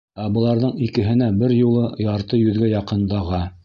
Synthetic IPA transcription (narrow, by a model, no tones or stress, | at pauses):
æbɤ̆lˠɑɾðɤɴikɘ̆ɦɘ̆næbɘɾjulˠɤjɑɾt̪ɤjɵ̆ðɡæjɑqɤ̆nd̪ɑʁɑ